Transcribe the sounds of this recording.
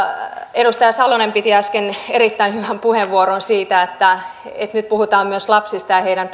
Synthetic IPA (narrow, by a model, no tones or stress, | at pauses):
eɾust̪ɑjɑsɑlonempit̪iɑskenerit̪ːæinhyʋæmpuheʋːuoɾonsiːt̪æet̪ːæḛt̪nyt̪̚puhut̪ɑːmmyøslɑpsist̪ɑjɑheiɾænt̪